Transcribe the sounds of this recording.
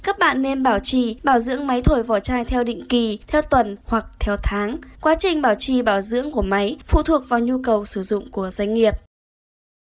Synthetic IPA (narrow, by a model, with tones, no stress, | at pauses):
kaː˦˥k̚ɓa̰ː˧˨nːe˧nɓaː˧˩wt͡ɕi˧˩ɓaː˧˩wzɨ̰˧˥əŋma˨˦jt̪ʰo˧˩jvɔ˧˩t͡ɕaː˧jt̪ʰɛ˧wɗḭ˧˨ŋ̟ki˨˩t̪ʰɛ˧wt̪wə˨˩nhwa˨˩k̚t̪ʰɛ˧wt̪ʰaː˨˦ŋkwaː˨˦t͡ɕï˨˩ŋ̟ɓaː˧˩wt͡ɕi˨˩ɓaː˧˩wzɨ̰˧˥əŋku˧˩əma˨˦jfṵ˧˨t̪ʰu˨˩ək̚vaː˨˩wɲu˧kə˨˩wsɨ˧˩zʊ̰˧˨ŋ͡mku˧˩əza˧jŋ̟ŋi˨˩əp̚